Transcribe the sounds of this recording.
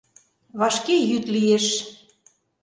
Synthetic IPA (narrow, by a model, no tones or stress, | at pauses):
βɑʃkejyt̪lijeʃ